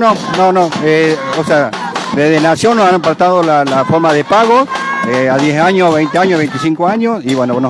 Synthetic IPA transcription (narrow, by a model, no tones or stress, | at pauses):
nonõnoeosea | d̪eðenasjonosampat̪aðolalafoɾmaðepaɣoeaðjesaɲosβejnt̪eaɲosβent̪isiŋkoaɲosiβwenoono